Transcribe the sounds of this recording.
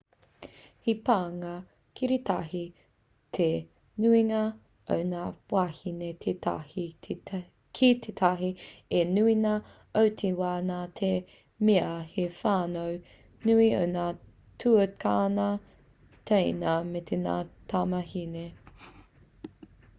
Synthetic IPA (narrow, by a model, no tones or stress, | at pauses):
hipaːŋɐ | kʰiɾit̪ʰɐɦi | t̪ʰe | nuiŋɐ | ʔo̰wnaːpwahinetʰeta̰hi | kʰit̪ʰetʰɐɦienuinɐ | ʔowtʰewaːnaːtʰe | meɐhefaːnow | nuio̰wnaː | tʰuəkʰaːnɐ | t̪ʰejnɐmet̪ʰena̰ːt̪ʰamɐɦine